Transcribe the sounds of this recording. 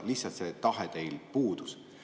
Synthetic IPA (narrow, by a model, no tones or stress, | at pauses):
lisːɑt̪set̪ɑɦet̪e̞jlpuːd̪̥us